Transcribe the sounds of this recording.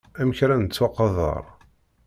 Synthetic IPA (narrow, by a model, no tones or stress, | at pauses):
æməçɾænt͡sːwɑqɑðˤə̰ɾˤ